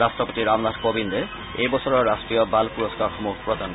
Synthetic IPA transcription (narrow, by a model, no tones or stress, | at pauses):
asʈɾɔpot̪iɾamlad̪kobind̪e | ejbɔɔɾɔɾasʈɾijobalpuɾoskaɾxɔmukpɾod̪ʱan